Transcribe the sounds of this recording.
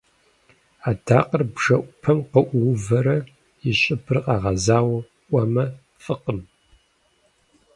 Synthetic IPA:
aːda̰ːqərbʐɐʔʷʊpʰɐmqɐʔʷwʊvɐɾɐ | ɪɕʼɪbʰɨrqɑːʁɐzaːwɐ | ʔʷɐmɐ | fʼɨqəm

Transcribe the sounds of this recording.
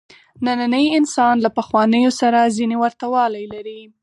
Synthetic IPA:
nananəjɪnsɑnlapaxwɑnəjosaɾazinewaɾt̪awɑlajlaɾi

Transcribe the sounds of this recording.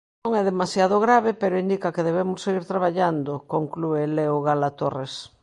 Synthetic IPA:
õŋɛðemasjaðoɣɾaβepeɾoind̪ikakeðeβemʊsːeɣiɾt̪ɾaβ̞aʎand̪okoŋklueleoɣalat̪ores

